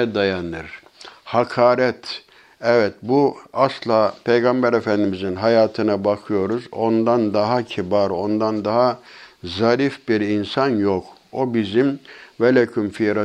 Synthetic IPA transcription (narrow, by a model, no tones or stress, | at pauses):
ɛd̪ajanɯɾ | hakʰaːɾɛt̪ | ɛvɛt̪̚buaslˠaːpʰejɡambɛɾefænd̪imizinɦajaːt̪ʰɯnabakʰɯjo̞ɾuzo̞nd̪and̪aɦacʰibaɾo̞nd̪and̪aɦazaɾifbiɾinsanjok | o̞bizimvɛlʲɛcʰymfiɾa